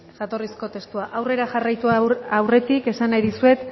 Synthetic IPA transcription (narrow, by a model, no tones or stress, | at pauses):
ʝat̪o̞risko̞t̪e̞st̪uaʔawre̞ɾaʝarajt̪uaawre̞t̪ike̞sanajðusue̞t̪